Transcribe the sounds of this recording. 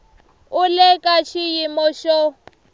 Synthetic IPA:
ʊlekʼat͡ʃʰijimɔʃɔ

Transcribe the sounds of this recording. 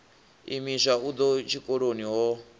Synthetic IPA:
imiʃaud̪ɔt͡ʃʰikʼɔɺoniɦɔ

